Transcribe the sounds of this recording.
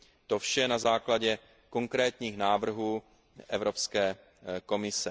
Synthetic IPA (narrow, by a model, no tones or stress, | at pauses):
t̪ofʃɛnazaːklaɟɛ | ko̞ŋkɾɛːt̪ɲiːxnaːvr̩ɦuː | ʔɛvɾo̞pskɛː | ko̞mɪsɛ